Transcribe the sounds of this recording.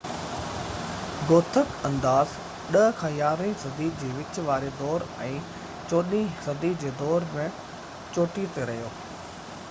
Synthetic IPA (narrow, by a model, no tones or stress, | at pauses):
ɡoːt̪ʰəkɐ̃nd̪aːz | ɗɐɦəkʰãːjaːɾisɐd̪iːd͡ʑeːʋɪt͡ɕ̆ʋaːɾed̪ɔːɾɛ̃ː | t͡ɕoːɗisɐd̪iːd͡ʑeːd̪ɔːɾmɪ̃ | t͡ɕoːʈit̪eɾɐɦijoː